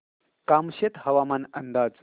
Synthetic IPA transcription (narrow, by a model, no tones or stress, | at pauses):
kaːmɕet̪hɐʋamaːnənd̪aːd͡z